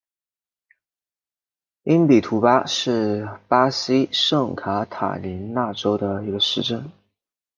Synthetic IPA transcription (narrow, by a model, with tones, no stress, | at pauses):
i˥npi˨˩t̪ʰu˧˥pa˥ʂɻ̩˥˩˧pa˥si˥ʂɤ˥˩ŋkʰa˧˥t̪ʰa̰˨˩li˧˥nna˥˩ʈ͡ʂo˥ʊd̪ə˧˨i˧˥ɡə˧ʂɻ̩˥˧ʈ͡ʂə˥˩n